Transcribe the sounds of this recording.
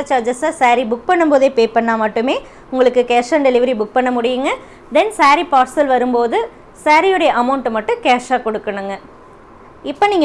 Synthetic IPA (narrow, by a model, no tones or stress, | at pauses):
t͡ʃaːd͡ʒɐsasaːɾibʊk̚pɐɳːɯmpoːðeːpeːpɐɳːaːmɐʈːɯmeː | ʊŋɡɐɭɯkːɯkeːʂanɖɛlɪʋɐɾibʊk̚pɐɳːɐmʊɽɪjɯŋɡɐ | d̪ɛnsaːɾipaːɾsɐlʋɐɾɯmpoːðɯ | saːɾijɔɽɐjɐʔɐmɐʊɳʈɯmɐʈːɯ̃keːʂaːkɔɽɯkːɐɳɯŋɡɐ | ɪpːɐniːŋɡɐ